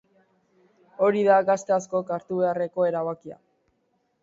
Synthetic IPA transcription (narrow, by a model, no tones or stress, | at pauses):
o̞ɾiðaɡast̪easko̞kaɾt̪uβe̞are̞ko̞e̞ɾaβakia̰